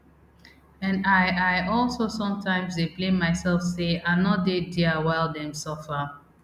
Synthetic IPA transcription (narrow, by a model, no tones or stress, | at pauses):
ɛ̃naɪʔaɪʔɔlˠsosɔ̃mtʰãɪ̃mzdeplẽmaɪsɛlˠfseanɔt̚dediəwaɪlˠdɛ̃msɔfə